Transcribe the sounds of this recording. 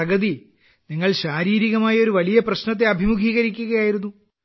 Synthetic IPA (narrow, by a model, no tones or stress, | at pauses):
ɐɡɐði | niŋːɐɭɕaːɾiːɾiɣɐmaːjɐo̞ɾuʋɐɭijɐprɐɕnɐt̪̬ːe̞ɐbʱimukʰiːɣɐɾikʲːuɣɐjaːjiɾunːu